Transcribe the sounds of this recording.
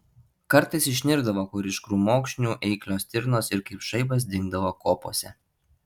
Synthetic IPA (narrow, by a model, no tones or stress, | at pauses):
kɐɾt̪ɐɪsɪʃʲnʲɪɾɡd̪ɐʋoːkʊɾʲɪʃkɾuːmoːkʃʲnʲuːʔɛɪklʲoːsʲt̪ʲɪɾnoːsɪɾkɐɪpʃɐɪbɐs̬d̪ʲɪŋɡd̪ɐʋoːkoːpo̰ːsʲɛ